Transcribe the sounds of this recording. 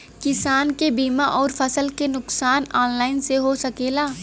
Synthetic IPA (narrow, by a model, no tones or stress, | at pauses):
kɪsaːnkebiːmaʔɔːɾfʰɐsəlkenʊksaːnaːnlaːɪnseɦosɐkeːlaː